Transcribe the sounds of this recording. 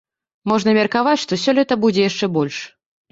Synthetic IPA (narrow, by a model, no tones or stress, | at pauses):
mɔʐnɐmʲɛrkavat͡sʲʂt̪ɔsʲɔlʲɛt̪ɐbud͡zʲɛjaʂt͡ʂɛbɔlʲʂ